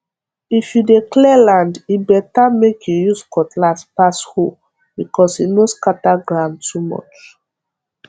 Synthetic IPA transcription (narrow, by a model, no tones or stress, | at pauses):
ifjudeklɛlãndibɛtamekjujuskɔtʰlaspasho | bikɔsinoskataɡɹãʊ̃ntumɔ̰t͡ʃ